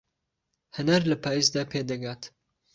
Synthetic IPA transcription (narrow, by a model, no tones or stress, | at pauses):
hɨnaɾlɐpʰaːjisd̪aːpʰed̪ɐɡaːt̪